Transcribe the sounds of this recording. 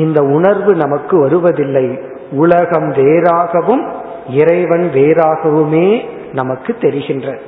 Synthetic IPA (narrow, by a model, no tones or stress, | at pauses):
ɪnd̪ɐʊɳɐɾʋɯnɐmɐkːɯʋɐɾɯʋɐðɪlːɐɪ | ʊɭɐɣɐmʋeːɾaːɣɐʋɯm | ɪɾɐɪʋɐnʋeːɾaːɣɐʋɯmeː | nɐmɐkːɯt̪ːɛɾɪɣɪndrɐ